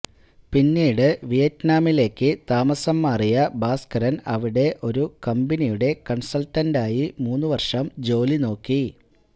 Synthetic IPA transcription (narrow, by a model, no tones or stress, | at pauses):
pinːiːɽɨʋijɐtnaːmile̞ːkːɨt̪aːmɐsɐmːaːrijɐbaːskɐɾɐnɐʋiɽe̞ʔo̞ɾukɐmbɐnijuɽe̞kɐɳsɐltːɐndaːjimuːnːuʋɐrʂɐmd͡ʑo̞ːlino̞ːkːi